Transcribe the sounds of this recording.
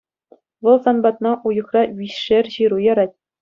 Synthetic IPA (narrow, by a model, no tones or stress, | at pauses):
ʋɤ̆lˠsɑnbɑt̪nɑʔujɤ̆χrɑɥʲiɕʂerʲʑiɾujɑ̆ɾɑtʲ